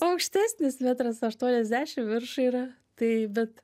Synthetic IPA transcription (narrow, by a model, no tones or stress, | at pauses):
ɐʊkʃʲt̪ʲæːsʲnʲɪsmʲæːt̪ɾɐsɐʃt̪uɔnʲɛzʲd̪ʲæːʃʲɪmʋʲɪrʃuiːɾɐ | t̪ɐɪbʲɛt̪